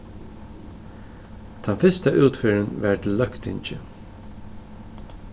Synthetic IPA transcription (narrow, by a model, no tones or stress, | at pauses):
t̪ʰanfɪst̪aʔuːt̪fɪːɹənʋɛɹt̪ʰɪlːœkt̪ɪ̰ɲt͡ʃɪ̰